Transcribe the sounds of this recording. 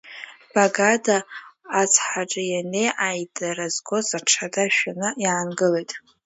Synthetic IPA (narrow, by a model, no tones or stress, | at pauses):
b̥aɡadaː | t͡sʰħaʈ͡ʂʼɨjane̞jʔajdʼaɾazɡo̞zaʈ͡ʂʰadaʃᶣanɨjaːnɡɨle̞jtʼ